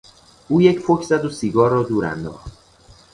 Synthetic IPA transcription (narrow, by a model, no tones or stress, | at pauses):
ʔuːjecfocʰzæd̪osiɡɒːrːɒːd̪uːɾæ̰nd̪ɒ̰ːχd̪